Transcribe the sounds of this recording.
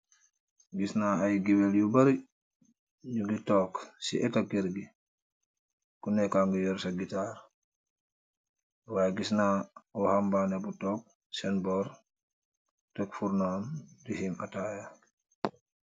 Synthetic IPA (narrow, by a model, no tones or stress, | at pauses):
ɡisnaajɡibeljubaɾi | ɲuɡitɔːksḭʔɛtaɡiɾɡi | kunɛkaŋɡujɔɾsaɡitaːɾ | waːɡisnauhambanebutɔːk̚ | sɛnbɔɾ | takfuɾnoːndihima̰taja